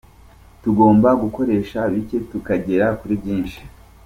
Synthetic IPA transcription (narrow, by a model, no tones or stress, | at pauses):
tuɡo̞ːmbaɡuko̞ɾe̞ʃaβicetukaɟe̞ɾakuɾibɟiːnʃi̥